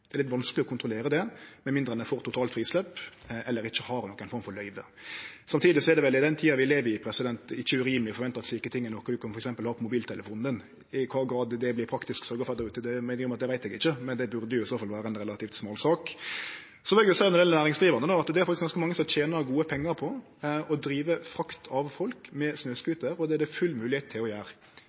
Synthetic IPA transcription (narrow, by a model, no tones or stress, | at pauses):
ɛɾlɪt̪ʋɑnskəlɪɔkʰʊnt̪ɾʊleːɾəd̪ɛmɛnmɪnd̪ɾənəfoːɾt̪ʊt̪ʰɑːlt̪fɾiːslɛpːʔɛlːəɾɪçːəhɑɾnɔkːæɪnfɔɾmfɔɾlœʏʋə̰ | sɑmt̪ʰiːd̪ɪsɔɛɾd̪ɛʋɛlɪd̪ɛnt̪ʰiːɑʋɪleːʋəɪpʰɾɛsɪd̪ɛnt̪ɪçːəʉɾiːmlɪfɔɾʋɛnt̪əɾɑt̪sliːkət̪ʰɪŋːənɔkːɔd̪ʉkʰɑnfɔɾɛksɛmpəlhɑːpʰɔmʊbiːlt̪ʰɛləfuːnən | ɪkʰʋɑːɡɾɑːd̪d̪ɛblɪpʰɾɑkt̪ɪsksœɾɡəɔfœɾd̪əɾʉːt̪əd̪ɛmæɪnəɾɪɔmɑt̪̚d̪ɛʋæɪt̪ɛɡɪçːəmɛnd̪ɛbʉɾd̪əjʊɪsoːfɑlʋæːɾəɛnɾɛlɑt̪ʰiːft̪smoːlsɑːk | sɔʋɛljsænɔd̪ɛlnæːɾɪŋsd̪ɾiːʋəʁnənoːɑt̪d̪ɛæɾfɑkt̪ɪsɡɑnskəmɑŋːəsɔmt͡ɕʰeːnɑɡuːəpʰɛŋːəɾpʰɔ | ɔd̪ɾiːʋəfɾɑkt̪ʰɑʋfɔlkmɛsnøːskʉːt̪əɾɔd̪ɛæd̪ɛfʉlːmʉːlɪheːt̪ʰːɪlɔjæːɾ